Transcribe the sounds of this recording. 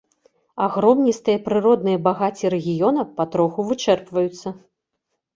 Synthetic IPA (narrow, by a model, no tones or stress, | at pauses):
aɣɾɔmnʲist̪ɨjɐpɾɨɾɔd̪̚nɨjɐbaɣat͡sʲiɾɛɣʲijɔnɐpɐt̪ɾɔxuvɨt͡ʂɛrpvɐjut̪sːɐ